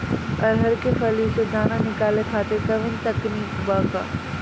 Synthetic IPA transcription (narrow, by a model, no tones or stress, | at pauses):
ɐɾɦəɾkefɐlised̪aːnanɪkaːlekʰaːt̪ek̪ɐʋɪ̃nt̪ɐkniːkbaːka̰ː